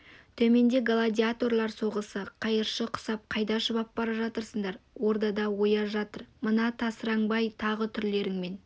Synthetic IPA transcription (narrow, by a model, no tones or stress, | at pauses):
t̪ʰɵme̞nd̪e̞ɡalˠad̪ʲiat̪o̞ɾlˠɑɾso̞ʁəsəqʰɑjəɾʃəqʰʊ̥sɑp̚qʰɑjd̪ɑʃəbɑp̚bɑɾɑʒɑt̪əɾsəɴd̪ɑɾwo̞ɾd̪ɑd̪ɑwo̞jɑʒɑt̪əɾmənɑt̪ʰɑsəɾɑŋbɑjt̪ʰɑʁət̪ʰʏɾle̞ɾɪŋme̞n